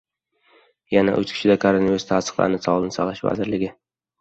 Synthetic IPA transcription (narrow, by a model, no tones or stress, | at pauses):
jana̰ʔʊt͡ʃkʲʰɪ̥ʃɪd̪akʰoɾonviɾust̪ʰasɨ̥χlˠa̰ɾnɪsɒlˠɪnɪsɒlˠaʃva̰zɪɾlɪɡʲɪ